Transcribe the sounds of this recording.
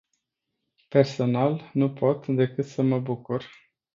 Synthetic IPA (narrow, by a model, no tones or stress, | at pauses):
pe̞rso̞nalnupʰo̞t̪d̪e̞kɨt̪səməbukur